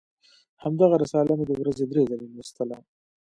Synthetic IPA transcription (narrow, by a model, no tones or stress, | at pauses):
hamd̪aɣaɾɪsɑlanod̪əwɾazed̪ɾezalenist̪əla